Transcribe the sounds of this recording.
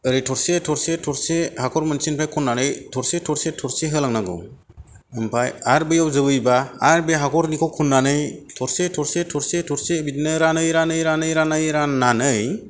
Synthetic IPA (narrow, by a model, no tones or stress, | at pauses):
ɯɾitʰɔɾsetʰɔɾsetʰɔɾsehakʰɔɾmɯnsinpʰajkʰɔnːanɯjtʰɔɾsetʰɔɾsetʰɔɾseɦɯlaŋnaɡɯ̰w | ɯmpʰajaɾbɯjawzɯbɯjbaːɾbeɦakʰɔɾnikʰɔwkʰunːanɯjtʰɔɾsetʰɔɾsetʰɔɾsetʰɔɾsebitnɯɾanɯjɾanɯjɾanɯjɾanɯjɾananɯj